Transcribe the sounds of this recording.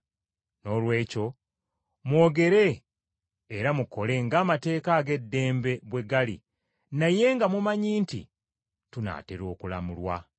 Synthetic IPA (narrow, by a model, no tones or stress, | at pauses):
no̞lwe̞ːco̞ | mwo̞ːɡe̞ɾe̞ː | ɾamuko̞le̞ŋɡaːmate̞ːkaːɡe̞dːe̞ːmbe̞βwe̞ɡalḭ | naje̞ŋɡamumaɲiːntḭ | tuna̰ːteɾo̞ːkula̰mulwa̰